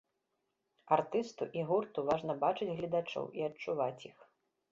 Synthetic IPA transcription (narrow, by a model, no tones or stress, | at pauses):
art̪ɨst̪uʔiɣurt̪uvaʐn̪ɐbat͡ʂɨd͡zʲɣlʲɐd̪at͡ʂɔ̰wʔiɐt͡ʂuvat͡sʲjix